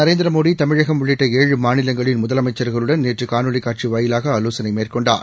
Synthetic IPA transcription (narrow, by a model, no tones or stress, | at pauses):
nɐɾeːnd̪ɪɾɐmoːðit̪ɐmɪɻɐɣɐmʋɪɭɪʈːɐeːɻɯmaːnɪlɐŋɡɐɭɪnmʊðɐlɐmɐɪt͡ʃːɐɾɣɐɭɯɽɐnneːʈrɯkaːnɯɭɪkːaːʈ̚t͡ʃiʋɐːjɪlaːɣɐːloːsɐnɐɪmeːrkɔɳɖaːɾ